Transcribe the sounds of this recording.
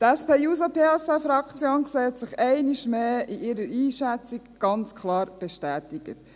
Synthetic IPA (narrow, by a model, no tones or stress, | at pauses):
tɛspeːjuːsapʰeːɛsɛfɾɑkt͡sjoːnkseːɛtsɪχɛɪniʃmeːiʔɪɾəɾiːʃɛt͡sɪkɡ̥ɑnt͡skʰlɑːɾb̥ɛʃtæːtɪɡ̥ə̰t